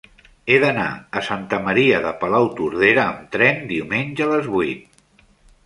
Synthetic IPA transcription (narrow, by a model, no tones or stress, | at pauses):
eðəna̰əsant̪əməɾiəðəpəlawt̪uɾð̞eɾəːmt̪ɾɛnd̪iumenʲʒəːləzβuijt̪̚